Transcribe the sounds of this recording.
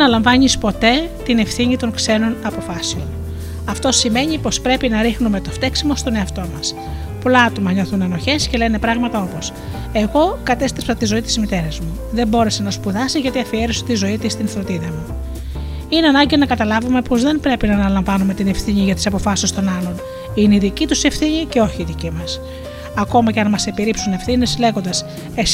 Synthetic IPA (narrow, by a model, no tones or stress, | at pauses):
enɐlɐɱvɐɲispo̞t̪e̞t̪ine̞fθiɲit̪o̞ŋkse̞no̞nɐpo̞fɐseo̞n | ɐft̪o̞sime̞ɲipo̞spɾe̞pinɐɾixnume̞t̪o̞ft̪e̞ksimo̞st̪o̞ne̞ɐft̪o̞mɐs | po̞lɐɐt̪o̞mɐɲo̞θuneno̞çe̞sce̞le̞ne̞pɾɐɣmɐt̪ɐo̞po̞s | e̞ɣo̞kɐt̪e̞st̪ɾepsɐt̪izo̞it̪i̥zmit̪e̞ɾɐzmu | ðe̞mbo̞ɾe̞se̞nɐspuðɐsiʝɐt̪iɐfieɾisot̪izo̞it̪ist̪inθɾot̪iðɐmu | ineɐnɐɲɟinɐkɐt̪ɐlɐvume̞po̞zðe̞mbɾe̞pinɐːnɐlɐɱvɐnume̞t̪ine̞fθiɲiʝɐt̪i̥sɐpo̞fɐsist̪o̞nɐlo̞n | ineiðicit̪use̞fθiɲice̞o̞çiːðicimɐs | ɐko̞mɐceɐnmɐse̞piɾipsune̞fθine̞sle̞ɣo̞nd̪ɐs | es